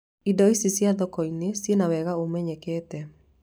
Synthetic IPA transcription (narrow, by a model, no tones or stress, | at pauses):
idɔisisjaðɔkɔinesjenawɛɣaomɛɲɛkɛːtɛ